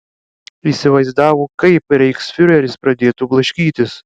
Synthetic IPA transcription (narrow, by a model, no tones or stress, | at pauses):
isʲɪʋɐɪzd̪ɑːʋoːkɐɪpɾʲɛɪksfʲʊɾʲɛɾʲɪspɾɐd̪ʲeːt̪ublˠɐʃʲkʲiːt̪ʲɪs